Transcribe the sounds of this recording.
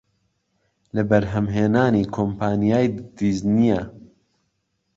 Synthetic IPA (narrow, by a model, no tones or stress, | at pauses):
lɐbɐɾɦɐmɦeːnaːniːkʰoːmpʰaːnijaːjd̪iːznijɛ